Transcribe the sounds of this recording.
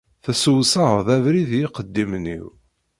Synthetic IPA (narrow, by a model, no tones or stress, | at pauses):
θæsəwsəðævɾiðjiqəd̪ːimnḭw